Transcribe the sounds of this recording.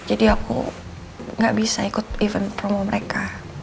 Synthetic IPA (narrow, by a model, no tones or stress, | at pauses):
d͡ʒadiakṵ | ŋɡaʔbisaikʊt̪̚ivənpɾomoməɾeka